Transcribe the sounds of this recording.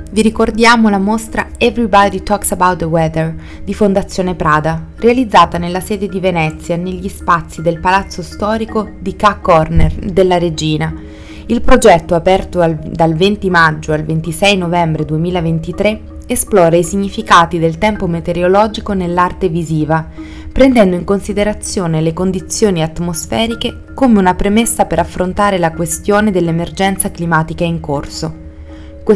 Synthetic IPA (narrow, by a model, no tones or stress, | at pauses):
viɾikord̪jaːmolamost̪ɾaɛvɾibɔd̪it̪ɔksabawt̪əwɛd̪ər | d̪ifond̪at̪sːjoːnepɾaːd̪arealid̪zːaːt̪anelːasɛːd̪ed̪ivenɛt̪sːjaneʎːispat̪sːid̪elpalat̪sːost̪ɔːɾikod̪ikakːɔrnerd̪elːaɾed͡ʒiːna | ilpɾod͡ʒɛt̪ːoapɛrt̪oald̪alvent̪imad͡ʒːoalvent̪isɛjnovɛmbɾed̪uemiːlavent̪it̪ɾe | esplɔːɾaisiɲːifikaːt̪id̪elt̪ɛmpomet̪eɾjolɔːd͡ʒikonelːart̪eviziːva | pɾend̪ɛnd̪oiŋkonsid̪eɾat̪sːjoːnelekond̪it̪sːjoːniat̪ːmosfɛːɾike | komeunapɾemesːapeɾafːɾont̪aːɾelakwest̪joːned̪elːemerd͡ʒɛnt̪saklimaːt̪ikaiŋkorso | k